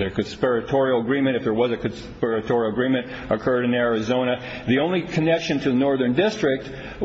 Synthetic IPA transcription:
ə˞kɨ̃nspɛɹɨtʰɔɹil̩ˠəɡɹĩmɨ̃ɾ̃ɨfðə˞wʌzɨkɨ̃nspɛɹɨtʰɔɹil̩ˠəɡɹĩmɨ̃nt | əkʰɜ˞ɾɨ̃nɛɹɨzõʊ̃ñɨ | ðiõʊ̃nlikʰɨnɛkʃɨ̃ntʰɨðənɔɹðə̃˞ndɪstɹ̥ɪk̚t̚

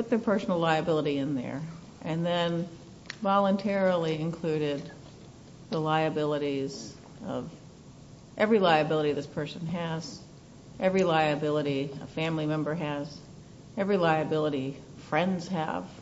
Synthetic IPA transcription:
pʊt̪̚ðə˞pʰɜ˞sn̩l̩ˠlaɪɨbɪlˠəɾiɨ̃nðə̰˞ | ʔɨ̃nðɨ̃n | vɑlˠə̃ntʰɛɹl̩ˠiɨ̃nkʰl̥ʉɾɪd̪̚ | ðəlaɪɨbɪlˠəɾiz | ʌ̰v | ʔɛvɹilaɪɨbɪlˠəɾiðɪspʰɜ˞sɨ̃nɨz̥ | ʔɛvɹilaɪɨbɪlˠəɾiə̰fæ̃mlimɛ̃mbə˞ɨz | ɛvɹilaɪɨbɪlˠəɾi | fɹɛ̃ndz̥ɨ̰v̥

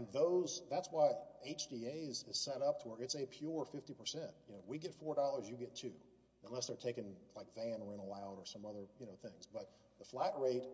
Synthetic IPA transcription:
ɨ̃nðoʊzðætswaɪeɪt͡ʃd̥ieɪzɨz̥sɛɾʌp̚tʰəwə˞ɨtsɨpʰj̥ʊɹfɪftipʰə˞sɛ̃ntjɨnoʊwiɡɛtfɔɹdɔlˠə˞zjɨɡɛtʰʉ̰ | ə̃nlɛsðə˞tʰeɪkɨ̃nlaɪkvæ̃nə˞ɨ̃ñəlaʊɾə˞sʌ̃mʌðə˞jɨnoʊθɪ̃ŋzbʌt̪̚ | ðəflæt̚ɹeɪt̚

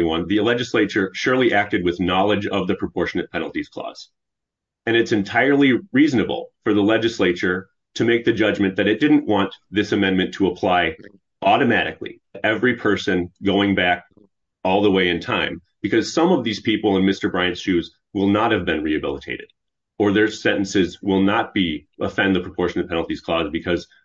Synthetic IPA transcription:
wɑ̃nðilɛd͡ʒɨsleɪt͡ʃə˞ʃʊɹlˠiʔæk̚tɨd̚wɨðnɑlˠəd͡ʒʌvðɨpʰɹ̥əpʰɔɹʃɨnɨt̚pʰɛnl̩ˠtiz̥kʰl̥ɔ̰z̥ | ɨ̃ñɨtsɨ̃ntʰaɪə˞lˠiɹiznɨbl̩ˠfə˞ðəlɛd͡ʒɨsleɪt͡ʃə˞ | ɾɨmeɪk̚ðɨd͡ʒʌd͡ʒmɨ̃nðɨɾɨt̚d̥ɪdⁿn̩ʔwʔɑ̃nðɪsɨmɛ̃nmɨ̃ntʰəəpʰl̥aɪ | ʔɔɾɨmæɾɨ̰klḭ | ɛvɹipʰɜ˞sɨ̃nɡoʊɪ̃ŋbæk | ɔlˠðəweɪɨ̃ntʰãɪ̃mb̥ɨkʰʌz̥sʌ̃mʌvðiz̥pʰipl̩ˠə̃nmɪstə˞bɹãɪɨ̃nsʃʉz | wɪlˠnət̚hɨvbɨ̃nɹiɨbɪ̰lˠətʰeɪɾɨɾ | ə˞ðə˞sɛ̃ñʔn̩sɪzwɪlˠnət̚b̥iəfɛ̃nðɨpʰɹ̥əpʰɔɹʃɨ̃nʌv̥pʰɛ̃ñl̩ˠtiz̥kʰl̥ɔzbɨkʰʌz̥

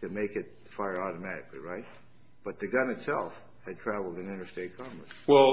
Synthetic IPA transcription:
tɨmeɪkɨt̚ | faɪə˞ɔɾəmæɾɨ̰kliɹaɪt̚ | b̥ʌt̪̚ðɨɡʌ̃nɨtsɛlˠf | hɨd̚tʰɹ̥ævl̩ˠdɨ̃nɪ̃ñə˞steɪt̚kʰɑ̃mɹɨ̰swɛlˠ

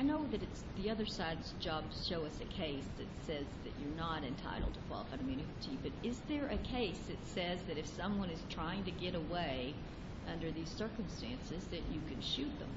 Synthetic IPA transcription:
aɪnoʊðɨɾɨtsðiʌðə˞saɪdz̥d͡ʒɑb̥ʃoʊʌsɨkʰeɪsðɨtsɛzðɨ̰t͡ʃə˞nəɾɨ̰̃ntʰa̰ɪɾl̩ˠdtʰə̥kʰw̥ɑ̰lˠəfaɪɨmjʉnɨɾibʌɾɪzðə˞ʔɨkʰeɪsɨtsɛzðɨɾɨfsʌ̃mwʌ̃nɨz̥tʰɹ̥aɪɪ̃ŋtɨɡɛɾəweɪ | ʔʌ̃ndə˞ðiz̥sɜ˞kɨ̃mstæ̃nsɨzðɨt͡ʃɨkʰɨ̃nʃʉt̪̚ðə̰̃m

